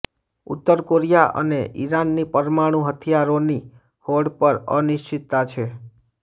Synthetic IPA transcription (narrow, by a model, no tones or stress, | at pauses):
ṵt̪ːəɾkoɾijaʔə̰neʔḭɾanːipəɾmaɽ̃ũɦət̪ʰijaɾoni | hoɽpəɾənɪʃt͡ʃɪt̪ːat͡ʃʰe